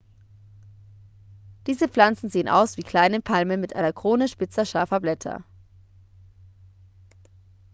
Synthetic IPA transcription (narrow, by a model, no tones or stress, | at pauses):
d̥iːzəp͡flant͡sn̩zeːənʔa̰ʊsv̥iːkʰl̥aɪnəpʰalmənmɪtʔa̰ɪnɐkʁ̥oːnəʃpɪt͡sɐʃaɐfɐblɛtʰɐ̰